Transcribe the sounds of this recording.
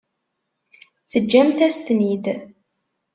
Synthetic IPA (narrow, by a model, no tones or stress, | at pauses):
θəd͡ʒːæmθæst̪nid̪